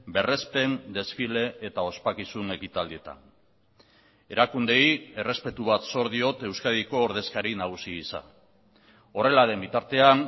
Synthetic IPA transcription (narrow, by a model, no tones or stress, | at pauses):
be̞re̞spe̞nd̪e̞sfile̞ːt̪ao̞spakisune̞kit̪ald̪ie̞t̪a̰n | e̞ɾakund̪e̞je̞re̞spe̞t̪uβ̞at̪so̞ɾðio̞t̪e̞wskað̞iko̞ːɾð̞e̞skaɾinaɣ̞usiisa̰ | o̞re̞laðe̞mbit̪aɾt̪e̞an